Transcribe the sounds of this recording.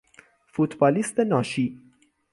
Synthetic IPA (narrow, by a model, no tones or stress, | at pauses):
fʊt̪bɐlɪst̪ɛnɐʃi